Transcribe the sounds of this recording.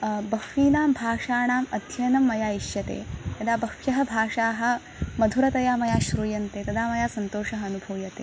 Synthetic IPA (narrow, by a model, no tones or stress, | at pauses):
bɐkfiːnaːmbʱaːʂaːɳaːmɐd̪ʱjɐnɐmːɐjaːiʃjɐt̪ḛːj̪ɐd̪aːbɐkjɐɦɐbʱaːʂaːɦɐ̆ | mɐd̪ʱuɾɐt̪ɐjaːmɐjaːʃɾuːjɐnt̪eːt̪ɐd̪aːmɐjaːsɐnt̪oːʂɐɦɐːnubʱuːjɐt̪ḛː